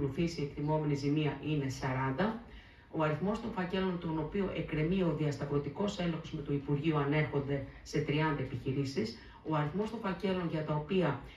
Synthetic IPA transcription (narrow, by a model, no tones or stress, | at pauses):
luθisiekt̪imo̞me̞nizimiɐʔine̞sɐɾɐnd̪ɐ | o̞ɐɾiθmo̞st̪o̞nfɐce̞lo̞nt̪o̞no̞pioʔe̞kɾe̞mio̞ðiɐst̪ɐvɾo̞t̪iko̞se̞loxo̞zme̞t̪oipuɾʝiuɐne̞ɾxo̞nd̪e̞se̞t̪ɾiɐnd̪ɐe̞piçiɾisis | o̞ɐɾiθmo̞st̪o̞ɱfɐce̞lo̞nʝɐt̪ɐopiɐ